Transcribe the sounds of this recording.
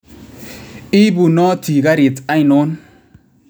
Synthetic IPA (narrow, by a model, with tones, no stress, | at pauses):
i˦bu˨nɔ˦ti˨ɡa˦ɾi˨ta˦jno˦n